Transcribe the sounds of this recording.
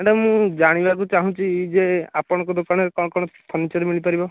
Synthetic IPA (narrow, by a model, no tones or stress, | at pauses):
ɛɖɔmũd͡ʒaɽ̃ibak̬ut͡ʃaɦũt͡ʃid͡ʒeapɔɽ̃ɔ̃kɔd̪okaɽ̃ɔɾekɔ̃ɔkɔɽ̃ɔt̪ʰɔnːit͡ʃɔɾemilipaɾibɔ